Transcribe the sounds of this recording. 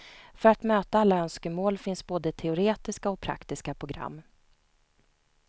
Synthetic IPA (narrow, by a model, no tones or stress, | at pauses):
fœɾat̪møːt̪aalːaœnskəmoːlfɪnsboːd̪ət̪ʰɛʊɾeːt̪ɪskaɔk̚pʰɾa̰kt̪ɪskapʰɾʊɡɾa̰mː